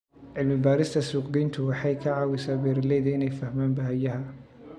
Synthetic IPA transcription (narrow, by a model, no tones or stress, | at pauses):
ʕɪlmɪbaːɾɪst̪ʰɐsuːqɡɛjnt̪ʰʊwɑħɑjkʰɐʕɑːwɪsaːbɛːɾɐlɛjðɐɪnɛjfɐhmaːnbɐɦjɐɦɐ